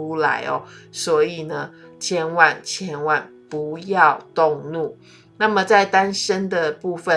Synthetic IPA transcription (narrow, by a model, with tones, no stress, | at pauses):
u˦˥la̰˧˥ɪɔ̰˨˦swɔ˧˥i˨˩nə˦t͡ɕʰjɛ˥nwa˥˨nt͡ɕʰjɛ˥nwa˥˩npu˨˦jɑ˥˨ʊt̪ʊ˥˧ŋnu˥˩ | na˥˩mə˨t͡sa˥˩ɪt̪a˥˦nʂə˥nd̪ə˨pu˥˩fə˨